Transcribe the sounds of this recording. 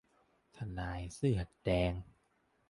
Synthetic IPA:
t̪ʰa˧naː˨˩˦jsɯː˥˩ha˨˩t̪̚dɛː˧ŋ

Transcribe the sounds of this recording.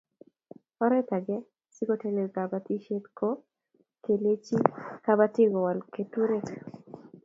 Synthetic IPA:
ɔ˦ɾɛ˦ta˨ɡɛ˦ | sɪ˦ɡo˦te˦le˨ka˨ba˦ti˦ʃe˦t̪kʰo˦ | ke˨le˦t͡ʃi˦ka˦ba˦tɪ˦ɡɔ˨wa˨lke˨tu˦ɾe˦

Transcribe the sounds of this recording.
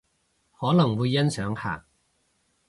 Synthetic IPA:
hɔː˨˥lɐ˨˩ŋwuː˨˧jːɐ˥nsœː˨˥ŋha̰ː˨˩

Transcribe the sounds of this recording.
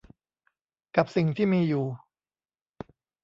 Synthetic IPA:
ka˨˩p̚si˨˩ŋt̪ʰiː˥˩miː˧juː˨˩

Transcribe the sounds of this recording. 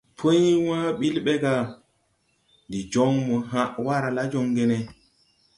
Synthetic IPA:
pʰo˦jwa˦ɓi˦lɓɛ˦ɡa˨ | ndi˨d͡ʒɔ˦ŋmɔ˨ɦa˦ʔwa˦ɾa˨la˦d͡ʒɔ˨ŋɡɛ˦nɛ˨

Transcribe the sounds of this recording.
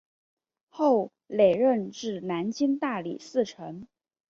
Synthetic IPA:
xo˥˩ʊ | le˨˩ɪɻə˥˧nʈ͡ʂɻ̩˥˩na˧˥nt͡ɕi˥ŋt̪a˥˩li˨˩sɹ̩˥˩ʈ͡ʂʰə˧˥ŋ

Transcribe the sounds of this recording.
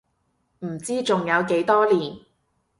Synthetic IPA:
m̩˨˩t͡siː˥t͡sʊ˨ŋjɐ˨˧wke˨˥jt̪ɔː˥liː˨˩n

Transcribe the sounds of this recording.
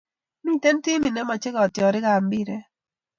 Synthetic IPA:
mi˦˨tɛ˦n˦ti˦mi˨nɛ˦ma˨t͡ʃɪ˦ɡɔ˨tjɔ˨ɾɪ˦ɡa˨mbi˦˨ɾe˦

